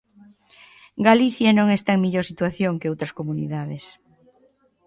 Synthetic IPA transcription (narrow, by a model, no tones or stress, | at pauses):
ɡaliθjanõŋɛst̪aeŋmeʎoɾsit̪waθjoŋkeowt̪ɾɐskomunḭðaðes